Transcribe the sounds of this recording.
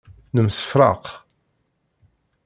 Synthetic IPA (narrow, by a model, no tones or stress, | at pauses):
nəmsə̥fɾˤɑ̰q